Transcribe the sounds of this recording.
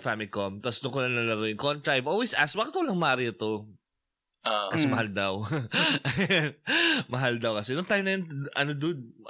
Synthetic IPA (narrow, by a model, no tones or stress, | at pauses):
famɪkomt̪ɐsd̪ʊŋkʊlɐŋnɐlɐɾoɪŋkont̪ɾɐajvʔolwejsʔa̰s̚baːkɪt̪kʊlɐŋmɐʔaːɾɪɐt̪o | ʔkɐsɛmɐhald̪ɐw | mɐɦald̪ɐwkɐsɛnʊŋt̪aːjʊnɐjɐnʔɐnod̪ʊ